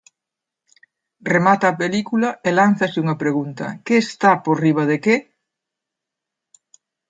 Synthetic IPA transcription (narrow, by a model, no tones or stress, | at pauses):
remat̪ɐːpelikulɐelan̟θɐsɪuŋɐpɾeɣunt̪ɐ̰keːst̪aporiβ̞ɐðeke